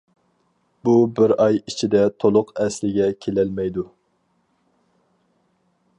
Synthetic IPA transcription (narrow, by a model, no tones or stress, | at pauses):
bubɪɾɑjit͡ʃʰid̪ɛt̪ʰolˠʊqɛslɪɡʲɛkʲʰelɛlmɛjd̪u